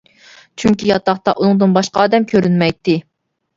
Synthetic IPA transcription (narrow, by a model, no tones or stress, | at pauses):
t͡ʃʰyŋʲkʲijɑt̪ɑχt̪ɑʔunɨŋd̪ɨnbɑʃqɑːd̪ɛmkʲʰøɾynmɛjt̪ːɪ